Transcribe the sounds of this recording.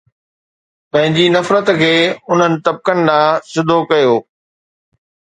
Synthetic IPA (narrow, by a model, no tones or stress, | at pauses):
pɐ̃ɦɪ̃ɲd͡ʑinɐfɾət̪kʰeːʊn̤ənɪ̆t̪ɐb̚kəñɪ̆laːsɪd̪ʱokɐjoː